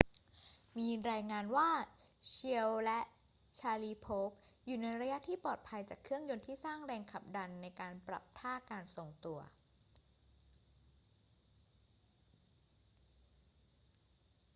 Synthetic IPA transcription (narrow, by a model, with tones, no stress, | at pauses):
miː˧ɾaː˧jŋaː˧nwaː˥˩t͡ɕʰi˧əwlɛ˦˥ʔ | t͡ɕʰaː˧liː˧pʰoː˦˥p̚juː˨˩na˧jɾa˧ja˦˥t̪ʰiː˥˩pɔː˨˩t̪̚pʰa˧jt͡ɕa̰ː˨˩kʰːɯ˥˩əŋjo˧nt̪ʰiː˥˩saː˥˩ŋɾɛː˧ŋkʰa˨˩p̚da˧nːa˧jkaː˧npɾa̰˨˩p̚t̪ʰaː˥˩kaː˧nso˨˩ŋt̪u˧ɐ